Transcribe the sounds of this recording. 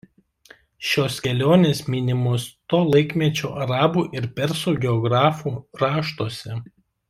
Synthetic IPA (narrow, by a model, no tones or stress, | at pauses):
ʃʲoːskʲɛlʲoːnʲeːsmʲɪnʲɪmoːst̪oːlˠɐɪkʲmʲiɛt͡ʃʲoːʔɐɾɑːbuːʔɪɾpʲɛɾsuːɡʲɛɔɡɾɑːfuːɾɑːʃt̪oːsʲɛ